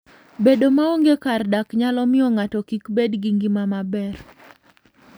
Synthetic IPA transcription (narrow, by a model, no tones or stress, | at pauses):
bedomaoŋɡekardakɲalɔmɪɔŋatɔkikbedɡiŋɡimamabɛr